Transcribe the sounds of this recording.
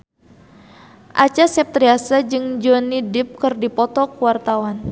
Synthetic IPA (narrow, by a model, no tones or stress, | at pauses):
ʔat͡ʃasɛp̚t̪ɾiasad͡ʒɨŋd͡ʒɔnidɪp̚kɨrdipɔt̪ɔkuwart̪awan